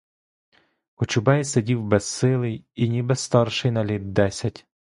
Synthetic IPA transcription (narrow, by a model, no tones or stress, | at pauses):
kʊt͡ʃʊbɛjsedʲiwbɛssɪlˠɪjinʲibɛsst̪ɑrʃɪjnɐlʲid̪̚d̪ɛsʲɐtʲ